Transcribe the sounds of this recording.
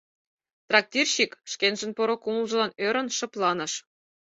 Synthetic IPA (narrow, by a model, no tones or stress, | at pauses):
t̪rɑk̚tʲirʲɕikʃkʲenʒɘ̆npoɾŏkuməlˠʒɤ̆lɑnøɾʲə̆nʃɤ̆plˠɑnɤ̆ʃ